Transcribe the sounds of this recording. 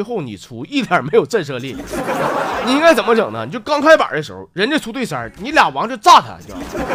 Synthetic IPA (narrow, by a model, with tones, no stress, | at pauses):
xo˥˩ʊnḭ˨˩t͡sʰu˧˥i˥˩t̪ja˨˥me˧˥ɪjo˨˩ʊt͡sa˥˧ɪʂ̬ɤ˥˧li˥˩˥ | ni˨˩i˥ŋka˥ɪt͡sə˨˩nmə˦ʈ͡ʂɤ̰˨˩ŋnə̰˦ni˨˩t͡ɕjo˥˩kɑ˥ŋkʰa˥ɪpa̰˨˩˥d̪ə˦ʂ̬̩˧˥o˧ʊɻə˧˥nʈ͡ʂt͡sʰu˧˥t̪we˥˩sə̰˞˨˧˥ni˧˥ljɑ˨˩wɑ˧˥ŋt͡ɕjo˥˧ʊt͡sa˥˩t̪ʰa̰˧˩t͡ɕo˥˩